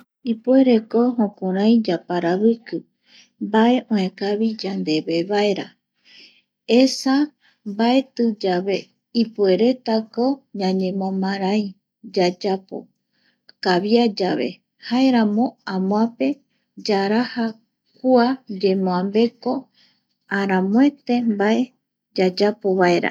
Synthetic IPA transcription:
ipue̞ɾe̞koɦõkõɾãj̃d͡ʒapaɾaβɨkɨ | mbae̞ʔõẽkaβid͡ʒand̪e̞βe̞βae̞ɾa | esa | bae̞t̪ɨd͡ʒaβe̞ | ipue̞ɾe̞t̪ako̞ɲãɲẽmõmãɾaji | d͡ʒad͡ʒapo̰ | kaβiad͡ʒaβe̞̰ | haeɾãmõ̞ãmõãpe̞ | d͡ʒaɾaha | kuad͡ʒe̞mõãmbe̞ko̞ | aɾãmwe̞t̪e̞mbae̞ | d͡ʒad͡ʒapo̞βaeɾa̰

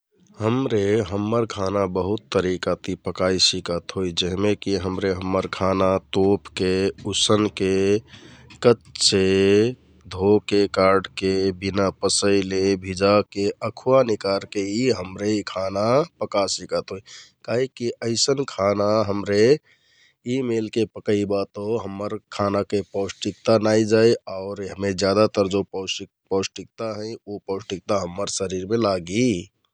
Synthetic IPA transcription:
həmɾeɦəmːəɾkʰanabəɦut̪ːəɾikat̪ipəkaisikət̪ɦojd͡ʒəɦmekiɦəmɾeɦəmːəɾkʰanat̪opkeusənke | kətse | d̪ʱokekaɾɖkebinapəsəɪlebʱid͡ʒakeəkʰuanikaɾkeiɦəmɾeikʰanapəkasikət̪ɦoikaɦikiʔəɪsənkʰanaɦəmɾe | imelkepəkəibat̪oɦəmːəɾkʰanakepəʊsʈik̚t̪anaid͡ʒaiaʊɾɦəmed͡ʒjad̪at̪əɾd͡ʒops | pəsʈik̚t̪aɦɛ̃iopəʊsʈik̚t̪aɦəmːəɾsəɾiɾmẽlaɡi

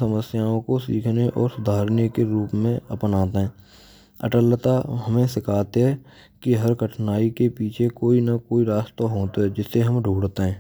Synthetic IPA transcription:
səməsjaːõkosḭːkʰneʔɔːɾsʊd̪ʱaːɾnjekeɾuːpmẽəpnaːt̪eɦɛː | ə̰ʈəlt̪aɦəmẽsɪkʰaːt̪eɦɛ | kiɦəɾkəʈʰnaːikepiːt͡ʃʰekoːinakoːiɾaːst̪aɦoːt̪ɦɛd͡ʒɪsːeɦəmɖʱuːɽt̪eɦɛ̃ː

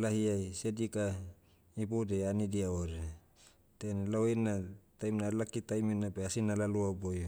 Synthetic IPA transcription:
laɦiajsedika | ibodeanidiaoɾe | t̪enlawinat̪ajmnalakit̪ajminabeasinalaluaboj

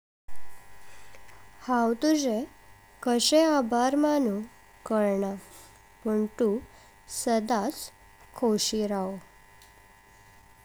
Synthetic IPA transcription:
hawt̪ud͡ze | kəɕeabʱaɾmanu | kəɾɳa | pəɳt̪u | səd̪at͡s | kʰowɕiɾao

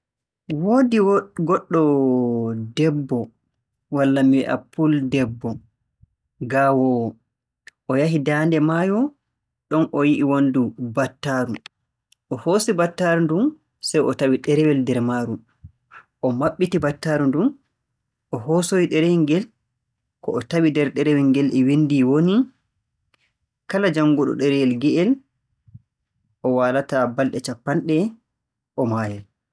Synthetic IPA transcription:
woːdiwɡɔɗːɔ | dɛbːɔ | walːamiwɛ̰ʔa̰pːuldɛbːɔ | ɡawɔw | ʔɔjaɦidandɛmajɔ | ɗɔnʔɔjiʔiwondubatːaːɾu | ʔɔhosibatːaɾundun | sɛjɔtawiɗɛɾɛwɛldɛɾmaːɾu | ʔɔmaɓːitibatːaɾundum | ʔɔhɦosojiɗɛɾɛɛŋɡɛl | kɔɔtawidɛɾɗɛɾɛwɛŋɡɛlʔɛwindiwoni | kalad͡ʒaŋɡuɗɔ̰ɗɛɾɛjɛlɡɛʔɛl | ʔɔwaːlatabalɗɛt͡ʃapːanɗɛ | ʔɔmaːjɛl

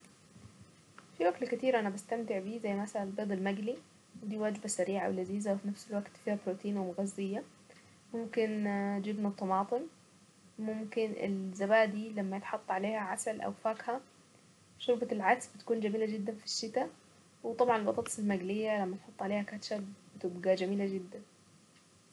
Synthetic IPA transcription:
fiwæɡt̪kɪt̪iːɾʔænæbast̪amt̪ɪʕbiːzæjːmæsalanlbeːd̪ˤɑlmæɡli | wɪd̪iːwaːd͡ʒbasæɾiːʕa̰wlaziːzawfinafsɪlwaɡt̪fiːhæbɾoːt̪iːnwɪmʊɣæzːɪjːa | mʊmkɪnd͡ʒɪbnat̪ːˤɑmɑːt̪ˤɨn | mʊmkɪnʔɪ̰lzabaːʔd̪iːlamːajɪt̪ħɑt̪ˤːʕaleːhæʕasalʔa̰wfaːkha | ʃʊɾbalʕak̪sbɪt̪kuːnd͡ʒamiːlad͡ʒɪd̪ːanfi̥ʃːɪt̪a | wɪt̪ˤɑbʕɑnelbɑt̪ˤɑːt̪ˤɑsˤɪlmaɡlɪjːalamːajt̪ħɑt̪ˤːʕaleːhækaːt̪ʃabb̥ɪt̪ɪbɡad͡ʒæmiːlad͡ʒɪd̪ːan

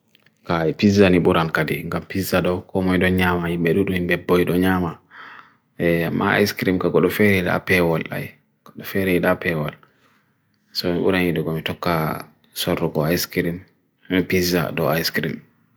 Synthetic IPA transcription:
kaipizːaniɓuɾankadḭŋɡampizaɗɔkɔmɔjɗɔɲamahimɓɛɗuɗumimbɛbːɔjɗɔɲaːma | ɛamːa̰a̰jskɾimkaɡɔɗɔfɛɾɛiɗa̰pɛwala̰j | kɔɗɔfɛɾɛiɗapɛwal | sɔmiɓṵɾanjiɗɔɡɔmitɔkːa | sɔrːɔɡɔajskɾim | piza̰ɗɔajskɾim

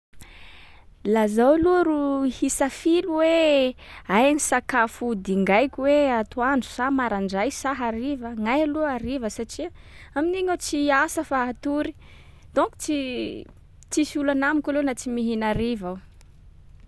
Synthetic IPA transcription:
lazawaluɾuhisafiluwe | ajanisakafud̪iŋɡajkʲiweat̪uand͡zu̥samaɾaɳɖ͡ʐajsaɦaɾivəŋajaluaɾivəsaʈ͡ʂiamineɲawt͡siasəfaat̪uɾi̥ | d̪̥oŋku̥t͡si | t͡sisiulanamikʲalenat͡simiɦinaɾivaw

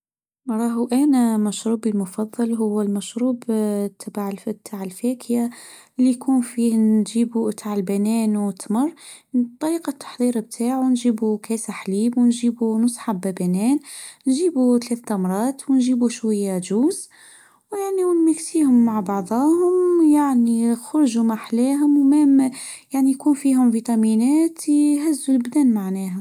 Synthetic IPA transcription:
ɾˤɑːɦuʔænæmæʃɾuːbilmʊfɑðˤːɑlɦʊwːælmæʃɾuːbt̪ʰːabaʕt̪ʰːaːʕɪlfæːkʰja | lːijkʰuːnfiːhnʒiːbut̪ʰaːʕlbænɛːnwɪt̪mɑrˤː | t̪ˤːɑɾiːqɑt̪ʰːɑ̥ħd̪ˤiːɾb̚t̪ʰaːʕunʒiːbukɛːsaħliːbwnʒiːbunʊsˤħabæbænæːnnʒibut̪læθd̪ɑmɾˤɑːt̪wnʒiːbuʃwæjːæʒuːz | wjaʕniwnmæksihʊmːaʕbɑʕd̪ˤɑhʊmjaʕnixʊɾˤʒumaħlæɦʊmwmæmjaʕnijkunfiɦʊmvit̪ˤɑminæt̪ɦæzːulbd̪ænmaʕnæɦæ

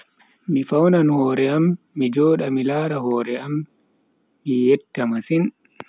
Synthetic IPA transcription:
mifawnanhɔːɾɛamː | id͡ʒɔːɗamilaːɾahɔːɾɛamː | ijɛtːamasin

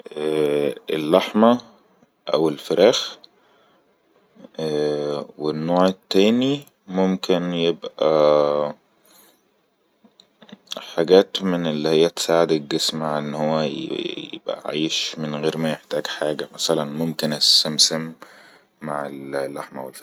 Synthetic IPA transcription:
ʔæːelːaħmæ | ʔæwelfeɾæːx | wenːoːʕt̪ːæːni | momkenjebʔæ | ħaɡæːt̪menʔelːihejːæt̪e̥saːʕed̪eɡːesmaʕʔenːhowːæj̰jḛb̥ʔæ̰ʕiːʃmenɣeːɾmæjeħt̪æːɡħaːɡæmæsælænmomkenʔæsæmsemː | aʕellːaħmæwelf

